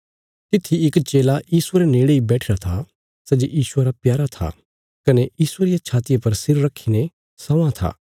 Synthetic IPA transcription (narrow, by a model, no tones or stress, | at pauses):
t̪ɪt̪ʰːiɪkt͡ʃeːlajiːsʊeɾeneːɽeibɛːʈʰɪɾat̪ʰa | sɛːd͡ʒeʔjiːsʊeɾapjaːɾat̪ʰa̰ | kɐnejiːsueɾɪjat͡ʃʰaːt̪ɪjapɐɾsɪɾːɐkʰːine | sɐ̃ãt̪ʰa̰ː